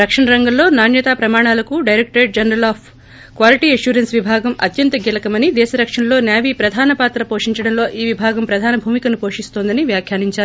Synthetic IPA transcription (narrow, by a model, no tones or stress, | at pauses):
ɾɐkʂɐɳɐɾɐŋɡɐmlo̞ːnaːnjɐt̪aːpɾɐmaːɳ̃aːlɐkuɖɐjɾek̚ʈɾeːʈ̚d͡ʒɐnɐɾɐlaːpʰ | kʋaːliʈiːɐʃuːɾɐnsʋibʱaːɡɐmɐ̰t̪jɐnt̪ɐɡilɐkɐmɐnid̪ɛːʃɐɾɐkʂɐɳɐlo̞ːnjaːʋipɾɐd̪ʱaːnɐpaːt̪ɾɐpoːʂiɲt͡ʃɐɽɐmlo̞ːʔiːʋibʱaːɡɐmpɾɐd̪ʱaːnɐbʱuːmikɐnupo̞ːʂist̪oːnd̪ɐniʋjaːkʰjaːɾiɲt͡ʃaːɾu